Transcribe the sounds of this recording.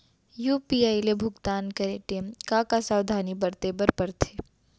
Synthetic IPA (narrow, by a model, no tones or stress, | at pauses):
juːpiaːilebʱʊɡt̪aːnkɐɾeʈeːmkakasaːwd̪ʱaːnibɐɾt̪eːbəɾpɐɾt̪ʰeː